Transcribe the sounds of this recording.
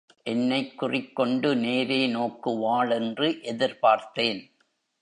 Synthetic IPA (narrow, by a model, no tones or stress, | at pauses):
ʔɛnːɐɪkːʊrɪkːɔɳɖɯneːɾeːnoːkːɯʋaːɭɛndrɯʔɛðɪɾpaːɾt̪eːn